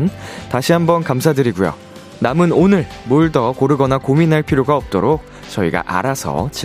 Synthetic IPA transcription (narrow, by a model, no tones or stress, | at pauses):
ntaɕʰiɦambʌnkamsʰadɯɾiɡujo̰ | namɯnonɯɭmoɭdʌkoɾɯɡʌnakominɦaɭpʰiɾjoɡaʌp̚t͈oɾok̚ | t͡ɕʌiɡa̰ʔa̰ɾasʰʌ̰t͡ɕi